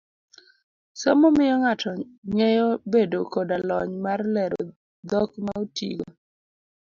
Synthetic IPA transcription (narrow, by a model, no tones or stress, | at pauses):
sɔmɔmɪjɔŋatʰɔŋɛjɔbedokodalɔɲmarlɛɾɔ̰ | d̪ɔkmaotḭɡo̰